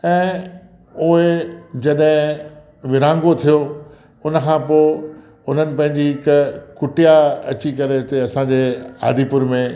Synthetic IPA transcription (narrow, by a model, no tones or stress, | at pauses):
ɛ̃ː | ʊɦed͡ʑɐɗɦɪ̃ | ʋɪɾãːŋɡot̪ʰijo | ʊnəkʰãːpoː | ʊn̤ənɪ̆pɐ̃ɦɪ̃ɲd͡ʑiɦɪkkʊʈijaɐ̰t͡ɕikɐɾet̪eɐsãːd͡ʑeːa̰ːd̪ʱipʊɾmẽ